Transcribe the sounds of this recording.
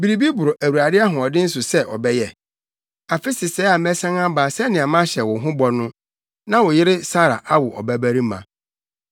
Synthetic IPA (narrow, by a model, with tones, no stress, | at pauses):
bi˨ɾi˨bi˦bʊ˨ɾʊ˨ʔæ˨wu˨ɾa˨dɪ˦a˦ɦʊ̃˨ɔ˨dɪ̃˦n̩˦s̬ʊ˨sɛ˦ʔɔ̰˨bɛ˦jɛ˨ | a˨fɪ˦sɪ˨sɛː˦a˨mɛ˦sã˦ŋã˦baː˨sɛ˦nɪ̃˨a˨mã˦ɕɛ˨wʊ˨ɦʊ̃˦bɔ˨nʊ̃˦ | nã˦wʊ˨jɪ˦ɾɪ˦sa˦ɾa̰˨ʔa˦wʊ˨ʔɔ̰˨bæ˦bæ˦ɾi˦mã̰˨